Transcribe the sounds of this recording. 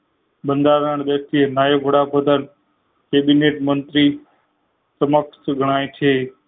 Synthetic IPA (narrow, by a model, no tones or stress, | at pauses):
ɓənd̪aːɾəɳ̃ɗ̪əst̪iənaːebʱəɽaːpʰəd̪ən | keːɓineːʈmə̃nt̪ɾiː | səmək̚ʈsɡʱəɽ̃aːĩt̪ʰeː